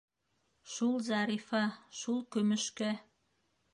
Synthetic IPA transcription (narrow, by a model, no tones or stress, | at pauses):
ʃulˠzɑɾifɑʃulˠkømɘ̆ʃkæ